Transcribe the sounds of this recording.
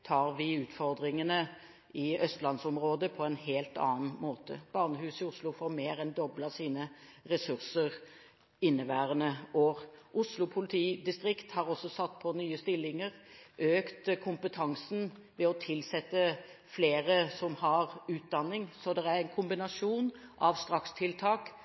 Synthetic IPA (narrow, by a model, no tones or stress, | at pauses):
t̪ʰɑːɾʋɪʉːt̪fɔɾd̪ɾɪŋənə | ɪœst̪lɑnsɔmʁoːd̪əpʰɔɛnheːlt̪ɑ̰ːnmoːt̪ə̰b̥ɑʁnəɦʉːsɪʊslʊfoːɾmeːɾɛnd̪ɔblɑsiːnəɾɛsʉʁsəʁ | ɪnːəʋæːʁənəʔoːʁʔʊslʊpʰʊlɪt̪ʰiːd̪ɪst̪ɾɪkt̪hɑɾɔsːɔsɑt̪ːpʰɔnyːəst̪ɪlːɪŋəʁʔøːkt̪kʰʊmpət̪ʰɑŋsn̩ʋɛɔt̪ʰɪlsɛt̪ːə | fleːɾəsɔmhɑɾʉːt̪̚d̪ɑnːɪŋsɔd̪ɛæɾɛnkʰʊmbɪnɑʂuːnʔɑʋst̪ɾɑkst̪ʰɪlt̪ʰɑːk